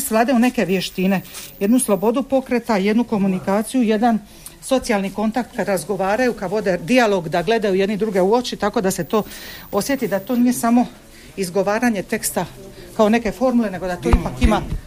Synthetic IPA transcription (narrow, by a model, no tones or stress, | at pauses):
sʋlˠaːd̪eune̞ke̞ʋje̞ʃt̪ine̞je̞d̪nuslˠo̞bo̞d̪upo̞kɾe̞t̪aje̞d̪nuko̞munikaːt̪sijuje̞d̪an | so̞t̪sijalˠniko̞nt̪ak̚t̪kad̪ɾazɡo̞ʋaːɾajukad̪ʋo̞d̪ed̪ialˠo̞ɡd̪aɡle̞d̪ajuje̞d̪nid̪ɾuɡe̞uo̞t͡ʃit̪ako̞d̪ase̞t̪o̞ːo̞sje̞t̪id̪at̪o̞ːnije̞samo̞ | izɡo̞ʋaːɾaɲe̞t̪e̞kst̪akao̞ne̞ke̞fo̞ɾmule̞ne̞ɡo̞d̪at̪oipakima